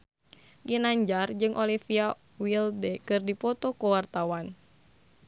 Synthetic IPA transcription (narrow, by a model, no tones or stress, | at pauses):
ɡinaɲd͡ʒard͡ʒɨŋʔɔlifia | wildɛkɨrdipɔt̪ɔkɔwart̪awan